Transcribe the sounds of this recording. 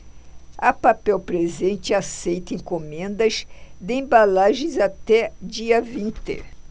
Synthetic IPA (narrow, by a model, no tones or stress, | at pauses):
ɐpapɛwpɾezẽnt͡ʃ̪ɪasejt̪ɐẽŋkomẽnd̪ɐsd̪ɪẽbalaʒẽzat̪ɛd͡ʒiɐvĩnt̪ɪ̰